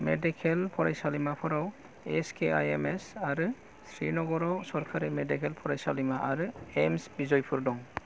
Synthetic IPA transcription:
medikʰelpʰɔɾajsalimapʰɔɾaw | eskea̰jemesaɾɯ | sʰɾinɔɡɔɾɔwsɔɾkʰaɾimedikʰelpʰɔɾajsalimaaɾɯemsbizɔjpʰuɾdɔŋ

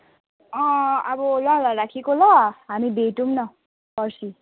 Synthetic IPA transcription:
ʌ̃ʌbʌlʌlaɾakʰekolʌɦamibʱeʈumnʌ | pʌrsʰi

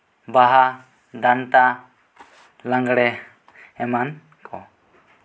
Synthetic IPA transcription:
baɦa | d̪ant̪a | laŋɡɽɛ | ɛman | kʰɔ

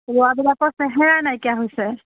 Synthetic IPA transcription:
lɔabilakɔsɛɦɛɹanajkiaɦojsɛ

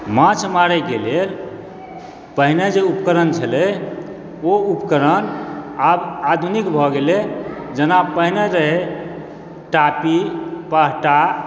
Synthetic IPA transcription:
mãt͡ʃʰmaɾɛɡeleɾ | pəɦined͡ʒeupkəɾənt͡ʃʰəlɛ | oupkəɾənabad̪ʱunikbʱɔɡeled͡ʒənapəɦneɾəɦe | ʈapipəɦʈa

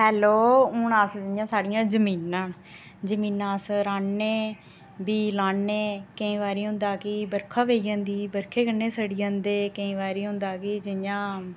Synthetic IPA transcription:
hɛːloːʊɳaːsd͡ʒɪjãːsaːɽɪjãːd͡ʒəmiːnãː | d͡ʒəmĩːnãːsɾaːɳːeː | biːlaːɳːeːkəĩːʋaːɾiːɦʊ̃nd̪aːkɪbəɾkʰãːʋeːjãːnd̪iːbəɾkʰeːkənːeːsəɽiːãːnd̪eːkəĩːʋaːɾiːɦʊ̃nd̪aːkɪd͡ʒɪjãː

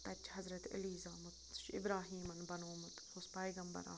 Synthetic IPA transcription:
t̪ɐt͡ʃɦɐzɾɐt̪ɐ̰liːzaːmʊt̪ʃɪ̰bɾaːɦiːmɐnbɐnoːmʊt̪ | ospaːjɡɐmbɐ̰ɾa̰ː

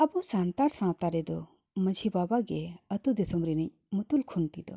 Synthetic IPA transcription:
ɐbusant̪aɽsãwt̪aɾɛd̪ɔ | məd͡ʒʱibabaɡeət̪ud̪esɔmɾinəɲ | mut̪ulkʰunpid̪ɔ

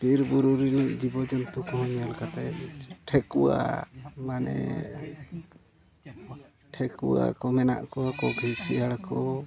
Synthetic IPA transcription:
biɾbuɾuɾiniʔd͡ʒibɔd͡ʒɔnt̪ukɔɦɔɲalkat̪aʈʰɛkuwa̰manɛ̰ | ʈʰɛkuwa̰kɔmɛna̰ʔkɔakɔɡʱisɛaɽkʰɔ

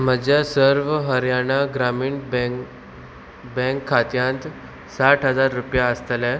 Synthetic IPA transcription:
m̤əd͡ʑjasəɾʋɦəɾjaɽ̃aɡɾamiːɳb | bɛ̃ŋkʰːat̪jãnt̪ | saʈɦəd͡zaɾːupjaəst̪əlɛ

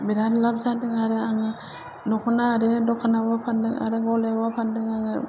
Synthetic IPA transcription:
biɾaɾlab̚zadɯŋaɾɯaŋɯ | nɔkʰɔnaːɾɯdɔkʰanabapʰandɯŋa̰ɾɯɡɔlebapʰandɯŋaŋɯ

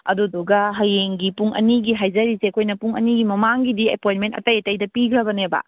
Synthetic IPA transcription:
ɐ̰duduɡɐɦɐjeŋɡipuŋɐ̰niɡiɦajzɐɾisekʰojnɐpuŋɐ̰niɡimɐmaŋɡidiepojnmentɐ̰tɐjɐtɐjdɐpiɡɐbɐnebɐ̰

